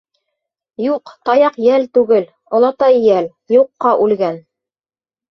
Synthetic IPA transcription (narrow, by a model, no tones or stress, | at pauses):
juqt̪ɑjɑqjælt̪ʉɡɘl | ŏlˠɑt̪ɑjjæl | juqːɑʔʉlɡæn